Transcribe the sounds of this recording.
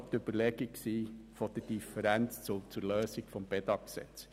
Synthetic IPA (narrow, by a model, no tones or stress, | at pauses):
t̪øb̥əɾlɛɡ̥ɪksiːfod̥əd̥ifəɾænt͡st͡sʊt͡suɾløːsɪɡ̥fɔmbɛd̪ɑksɛ̰t͡s